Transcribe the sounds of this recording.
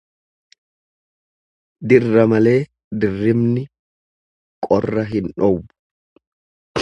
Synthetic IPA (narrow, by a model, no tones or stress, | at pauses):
d̪ɪrːɐmɐle̞ː | d̪ɪrːɪmnɪ | kʼɔrːɐɦɪnᶑɔwʊ